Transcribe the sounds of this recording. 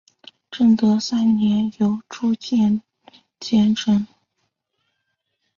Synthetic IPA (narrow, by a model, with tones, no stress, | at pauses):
ʈ͡ʂɤ˥˩ŋt̪ɤ˧˥sa˥nnjɛ˧˥njo˧˥ʊʈ͡ʂʰu˥t͡ɕjɛ˥˧n | t͡ɕjɛ˥˩nʈ͡ʂʰə˧˥n